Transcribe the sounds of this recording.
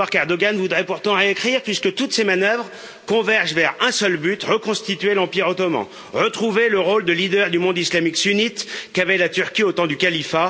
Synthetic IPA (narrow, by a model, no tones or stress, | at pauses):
aʁkɛʁd̪ɔɡanvud̪ʁɛpuʁt̪ɑ̃ʁeekχiʁpɥiskət̪ut̪semanœvʁ | kɔ̃vɛʁʒvɛʁɛ̃sœlbyt̪ʁəkɔ̃st̪it̪ɥelɑ̃piʁot̪ɔmɑ̰̃ | ʁət̪χuveləʁold̪əlid̪œʁd̪ymɔ̃d̪islamiksynit̪kavɛlat̪yʁkʲiot̪ɑ̃d̪ykalifa